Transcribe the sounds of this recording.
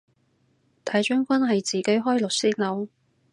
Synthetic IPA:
t̪ʰaː˨˥jt͡ʃœ˥ŋkʷɐ˥nɦɐ˨jt͡siː˨ke˨˥jɦɔː˥jlʊ˨k̚siː˥k̚lɐ˨˥w

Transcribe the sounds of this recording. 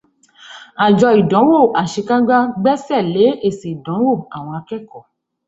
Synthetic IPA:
a˨d͡ʒɔ˧i˨dɔ̃˨˦wo˦˨ʔa˨ʃe˧ka˦ɡ͡ba˦ɡ͡bɛ˦sɛ˦˨le˨˦e˦˨se˨i˨dɔ̃˨˦wo˦˨a˨w̃ɔ̃˧a˧kɛ˦kɔ˦˨

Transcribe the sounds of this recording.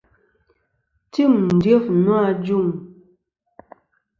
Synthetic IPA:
ti˦˨mn̩˨dɥe˦fnwa˦˨d͡ʒu˦˨ŋ

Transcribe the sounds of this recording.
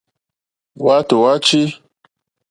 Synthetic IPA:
wa˦to˨wa˦t͡ʃi˦

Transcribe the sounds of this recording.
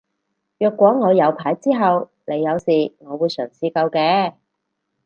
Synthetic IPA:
jœː˨˧kʷːɔː˨˥ŋɔː˨˧jɐ˨˧wpʰaː˨˥jt͡siː˥ɦɐ˨w | ne˨˧jːɐ˨˧wsiː˨˩ŋɔː˨˧wuː˨˧jsœː˨˩ŋsiː˧kɐ˧wkɛː˧

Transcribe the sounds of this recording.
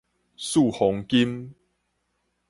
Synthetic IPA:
su˥˨hɔ˨˦ŋki˦m

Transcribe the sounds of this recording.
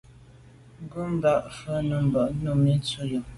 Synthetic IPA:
ɡu˦m˦ba˦˨ʔfə˦nə˨m˨bə˨ʔnu˦˨mi˦t͡su˦jə˨

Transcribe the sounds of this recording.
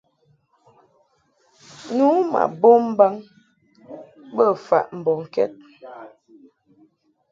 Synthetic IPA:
nu˨˦ma̰˨bo˦m̩˦ba˦ŋ | bə˦˨fa̰˨ʔm̩˨bɔ˨ŋ̩˨kɛ̰˦t̚

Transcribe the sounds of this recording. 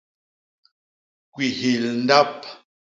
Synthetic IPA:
kwi˨hi˨ln˦da˦p̚

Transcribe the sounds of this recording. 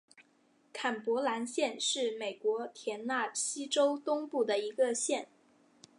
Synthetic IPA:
kʰa˨˩npwɔ˧˥la˧˥nɕjɛ˥˧nʂɻ̩˥˩me˨˩ɪkwɔ˧˥t̪ʰjɛ˧˥nna˥˩ɕi˥ʈ͡ʂo˥ʊt̪ʊ˥ŋpu˥˩d̪ə˩i˧˥ɡə˧ɕjɛ˥˩n

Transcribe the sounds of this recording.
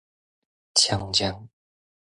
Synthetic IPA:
t͡ɕʰja˨˩˦ŋt͡ɕja˧˦ŋ

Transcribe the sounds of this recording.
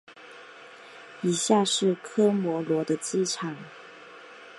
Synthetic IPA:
i˨˩ɕja˥˧ʂɻ̩˥˩kʰɤ˥mwɔ˧˥lwɔ˧˥d̪ə˧t͡sɹ̩˥˧ʈ͡ʂʰɑ˨˩˦ŋ

